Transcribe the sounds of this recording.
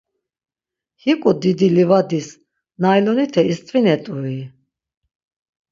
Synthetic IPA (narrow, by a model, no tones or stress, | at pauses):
hikʼud̪id̪ilivad̪is | najlɔnit̪ʰɛist̪ʼvinɛt̪ʼui